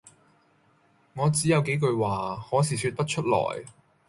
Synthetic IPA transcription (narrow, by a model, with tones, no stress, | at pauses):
ŋɔː˨˧t͡siː˨˥jɐ˨˧wke˨˥jkɵ˧ɥwaː˨˩hɔː˨˥siː˨˩syː˧t̚pɐ˥t̚t͡ʃʰɵ˥t̚lɔ̰ː˨˩j